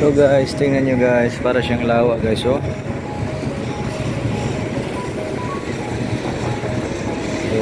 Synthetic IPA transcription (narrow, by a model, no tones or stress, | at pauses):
oɡaʔɪst̪ɪŋanɲoɡajspaːɾaʃaŋlaːwaʔɡajso